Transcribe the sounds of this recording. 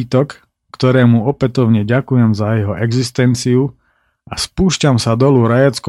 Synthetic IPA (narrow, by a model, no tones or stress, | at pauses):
it̪ɔkː | t̪ɔɾɛːmuɔpɛt̪ɔʊɲɛɟakujɛmzajɛɦɔʔɛɡzist̪ɛnt͡siu | aspuːʃcamsad̪ɔluɾajat͡skɔ